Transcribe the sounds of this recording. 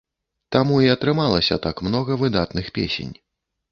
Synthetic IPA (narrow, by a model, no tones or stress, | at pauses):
t̪amuiɐt̪ɾɨmalˠɐsʲɐ̰t̪akmnɔɣɐvɨd̪at̪nɨxpʲḛsʲḛnʲ